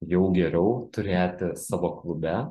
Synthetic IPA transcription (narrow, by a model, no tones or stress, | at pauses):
jɛʊɡʲɛɾʲɛʊt̪ʊɾʲeːt̪ʲɪsɑːʋoːklˠʊbʲæ